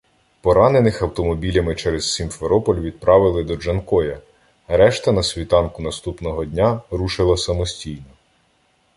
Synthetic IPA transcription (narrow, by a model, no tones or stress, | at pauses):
pɔɾɑne̞nɪxɐwt̪ɔmɔbʲilʲɐmɪt͡ʃɛɾez̥sʲimfeɾɔpɔlʲʋʲid̪̚pɾɑʋɪlˠɪd̪ɔd͡ʒɐnkɔjɐ | ɾɛʃt̪ɐnɐsʲʋʲit̪ɑnkʊnɐst̪upnɔɦɔdʲnʲaɾuʃɪlˠɐsɐmɔsʲtʲijnɔ